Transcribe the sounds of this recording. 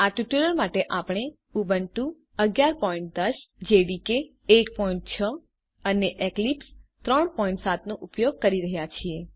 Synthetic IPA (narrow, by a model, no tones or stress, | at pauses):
aʈuʈiləɾmaʈeʔapɽ̃e | ubəɳʈũ | əɡjaɾpɔiɳʈ̚d̪əsd͡ʒeʋikeː | kpɔĩɳʈ̚t͡ʃʰə | əneʔeklipst̪ɾəɳpɔĩɳʈsat̪noʔupjoɡ̚kəɾiɾəɦjat͡ʃʰie